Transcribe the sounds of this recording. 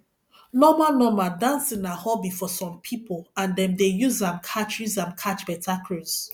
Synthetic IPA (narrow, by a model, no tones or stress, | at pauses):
nɔmanɔmadãnsĩnahɔbifɔsɔ̃mpʰipolãndɛ̃mdejuzãmkʰat͡ʃjuzãmkʰat͡ʃbɛtʰakʰɹoz̥